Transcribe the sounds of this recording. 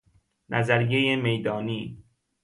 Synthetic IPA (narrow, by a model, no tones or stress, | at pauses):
nʔæzæɾjejeme̞jd̪ɒːniː